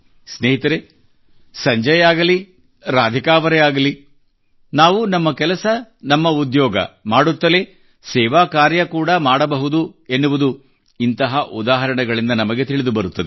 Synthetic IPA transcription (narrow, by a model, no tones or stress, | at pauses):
sneːɦit̪ɐɾe | sɐɲd͡ʒɐjaːɡɐli | ɾaːd̪ʱikaːʋɐɾɛaːɡɐli | naːʋunɐmːɐkɛlɐsɐnɐmːɐud̪jɔːɡɐ̰maːɽut̪ːɐle̞ | sɛːʋaːkaːɾjɐkuːɽɐmaːɽɐbɐɦud̪uenːuʋud̪u | int̪ɐɦɐʔud̪aːɦɐɾɐɳɐɡɐɭind̪ɐnɐmɐɡe̞t̪iɭid̪ubɐɾut̪ːɐd̪e